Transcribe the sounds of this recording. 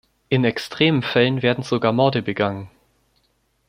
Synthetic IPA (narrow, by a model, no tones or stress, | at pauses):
ʔɪnɛkstʁ̥eːmənfɛlənveːɐdn̩z̥oɡaːɐmɔɐdəbəɡaŋən